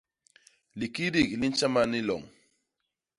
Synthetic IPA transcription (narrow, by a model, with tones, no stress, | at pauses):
li˨ki˦di˦˨kli˦n˦t͡ʃa˦ma˦ni˦lɔ̰˨ŋ